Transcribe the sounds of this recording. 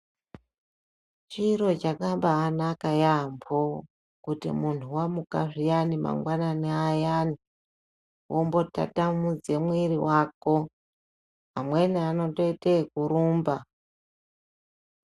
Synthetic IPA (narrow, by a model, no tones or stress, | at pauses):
t͡ʃiɾo̞t͡ʃakambaːnakajambʰo | kutḭmuntʰuwamukaʐijanima̰ŋɡwananiajani | wʔombo̞ta̰tamud͡ze̞mwiɾiwako̞ | ɦa̰mwe̞niano̞toitekuɾuːmba